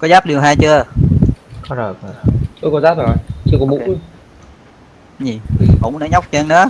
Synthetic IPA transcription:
kɔ˨˦zaː˦˥p̚ɗi˨˩wɦaː˧jt͡ɕɨ˧ə | kɔ˨˦zə˨˩kːt͡ɕu˨˦kɔ˧˦zaː˦˥p̚zo˨˩jt͡ɕɨ˧kɔ˧˦mṵ˧˦˥ | ɲi˨˩ʔʊ̰˧˥wŋ͡mɗa̰ː˧˥ɲa˦˥wk͡p̚t͡ɕə˧nɨ̰˧˦ə

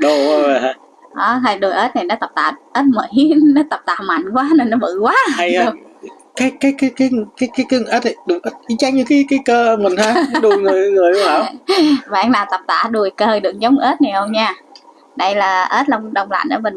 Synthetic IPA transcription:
ɗo˨˩˧və˨˩aː˧ | ʔɔ˨˩˦t̪ʰa˨˩jɗu˨˩jʔəː˦˥t̚na˨˩nɔ˨˦t̪ə˨˩p̚t̪a̰ː˧˨˩ʔəː˦˥t̚mə̰˧˩˦jnɔ˨˦t̪ə˨˩p̚t̪a̰ː˧˨˩ma̰˧˨jŋ̟kwaː˨˦nə˨˩nɔ˨˦mɨ̰˧˨kwaː˨˦ha˧jhe˦˧˩ | kaː˨˦jkaː˨˦jkaː˨˦jkaː˨˦jkaː˨˦jkaː˨˦jkəː˧˦ŋ˨˩ʔəː˦˥t̚ɗɨ˨˩ŋʔəː˦˥t̚ʔi˧˦t͡ɕa˧˥ŋɲɨ˧ka˨˦kaː˨˦jkəː˧mï˨˩ŋ̟haː˧˦ɗu˨˧jŋɨ˧˨˩əjŋɨ˨˩əjɗo˧˦ha̰ː˨˩˦vaː˨ʔa˧ŋnaː˨˩wt̪ə˨˩p̚t̪a̰ː˧˨ɗu˨˩əjkəː˧˩ɗɨ˨˩ək̚zə˨˦wŋ͡mʔəː˦˥t̚nɛ˨˩hə˧wŋ͡mɲaː˧˩ | ɗə˧jlaː˨˩ʔəː˦˥t̚lə˧wŋ͡mɗə˧wŋ͡mla̰˧˨nʔə̰˧˩mə̈˨˩n

